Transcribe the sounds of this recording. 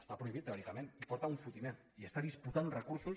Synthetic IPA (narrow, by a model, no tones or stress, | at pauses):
est̪apɾoiβit̪ːeɔɾikamenipɔɾt̪auɱfut̪ine | iest̪aðisput̪anrəkuɾsus